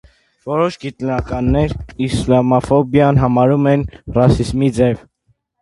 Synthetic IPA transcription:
vɔɾɔʃɡit̪nɑkɑnːɛɾislɑmɔfɔbjɑnɦɑmɑɾumɛnrɑsizmid͡zɛv

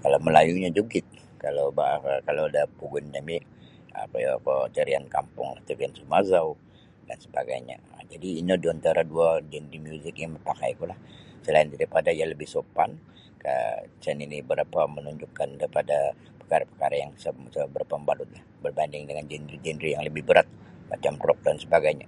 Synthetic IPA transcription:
kalawməlajuɲad͡ʒuɡɪt̪̚ | kalawbakalawadahpuɡʊnd͡ʒami | a̰pajapat̪əɾiankampʊ̰ŋlaht̪əɾiansumazau | da̰nsəbaɡa̰jɲa̰d͡ʒadiːnadiant̪aɾaduad͡ʒɛndɾimijuzɪk̚jaŋməpaka̰jkulahsəlaɪndaɾipadajaləbɪhsopa̰n | ka̰t͡ʃɛninibəɾapamənuɲd͡ʒʊkːandɾipada | pə̥kaɾapəkaɾajaŋsəsəbəɾapambalʊt̪̚lahbərbandɪŋdəŋand͡ʒɛndɾid͡ʒɛndɾijaŋləbɪhbəɾat̪̚ma̰t͡ʃamrɔk̚dansəbaɡajɲa̰

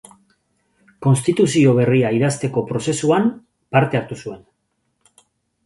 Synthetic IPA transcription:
ko̞nst̪it̪usio̞β̞e̞riaiðast̪e̞ko̞pɾo̞se̞suam | paɾt̪e̞aɾt̪usue̞n

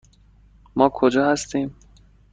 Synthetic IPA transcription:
mɒːkʰod͡ʒɒːhæst̪iːm

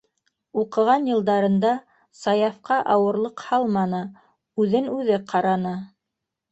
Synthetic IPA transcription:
uqɤ̆ʁɑnjɤ̆lˠd̪ɑɾɤ̆nd̪ɑ | sɑjɑfqɑʔɑwɤ̆ɾlˠɤqhɑlˠmɑnɤ | ʉðɘnʉðɘqʰɑɾɑnɤ

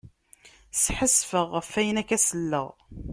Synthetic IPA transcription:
sħəsfəʁəfæjənækːæsəlːə̰ʁ

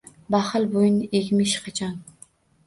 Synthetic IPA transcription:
bɑχɨlbojyneɡʲmiʃqʰɑt͡ʃʰɑn

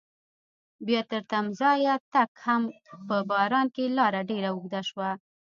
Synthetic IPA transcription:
bjɑt̪əɾt̪amzɑjat̪akhampəbɑɾɑnkelɑɾaɖeɾauɡd̪aʃwa

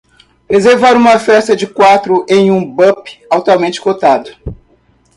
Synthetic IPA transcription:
ɾezeɾvaɾũmɐfɛst̪ɐd͡ʒɪkwat̪ɾʊʔẽj̃ũbɐ̃pɪ̥awt̪uawmẽnt͡ʃɪ̥kot̪ad̪ʊ

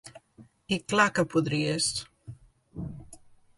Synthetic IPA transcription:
iklakəpuðɾiest̪

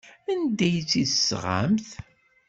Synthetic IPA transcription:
ænd̪æjt͡sːiðəsʁa̰mθ

